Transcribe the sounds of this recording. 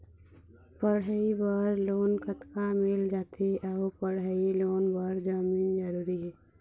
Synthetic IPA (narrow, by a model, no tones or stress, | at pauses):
pəɽɦəibaːɾloːnkət̪kamɪld͡ʒaːt̪eʔapəɽəiloːnbaɾd͡ʒaːmiːnd͡ʒəɾuːɾiɦɛː